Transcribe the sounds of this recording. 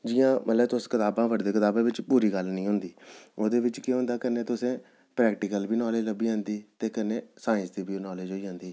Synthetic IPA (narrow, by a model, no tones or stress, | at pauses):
d͡ʒɪjãːmət̪ləbt̪ʊskɪt̪aːbãːʋəɖd̪eːkɪt̪aːbẽːʋɪt͡ʃpuːɾiːɡəlnĩːɦʊ̃nd̪iːoːd̪eːʋɪt͡ʃkɪɦʊ̃ːnd̪aːkəneːt̪ʊsẽː | pɾɛːkʈɪkəlbiːnɔːleːd͡ʒləbiːãːnd̪iːt̪eːkəneːsaːɪ̃sd̪iːbiːnɔːleːd͡ʒɦoːiːd͡ʒãːnd̪iː